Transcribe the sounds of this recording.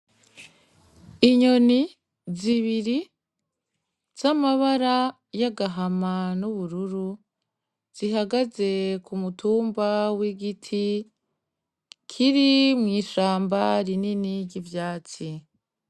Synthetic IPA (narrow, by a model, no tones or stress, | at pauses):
iɲo̞ni | ziβiɾi | z̥amaβaɾa | jaɡaɦamanuβuɾuɾu | z̥iɦaɡaze̞kumutʰuːmbawiɡitʰi | kʰiɾimŋiːʃaːmbaɾininiɾɟivjaːt͡si